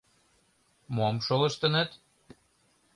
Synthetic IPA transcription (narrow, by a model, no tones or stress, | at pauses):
momʃolɤ̆ʃt̪ə̆nə̆t̪